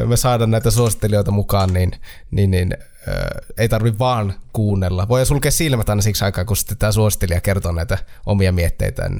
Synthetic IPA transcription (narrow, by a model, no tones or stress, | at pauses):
mesɑˑedɑːnnæˑit̪æsuosit̪ːelioˑit̪ɑmukɑːnnin | ninnin | ə̰ːeˑit̪ɑrʋiʋʋɑːnkuːnːelːɑʋoˑijɑsulkeːssilmæt̪ɑˑinɑsiksɑˑikɑːkunsi̥t̪et̪t̪æːsuosit̪ːeliɑkert̪oːnæˑit̪æʔomiɑmiet̪ːḛˑit̪æ̰n